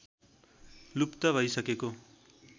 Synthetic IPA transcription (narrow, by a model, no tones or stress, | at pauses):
lupt̪ʌbʱʌjsʌkeko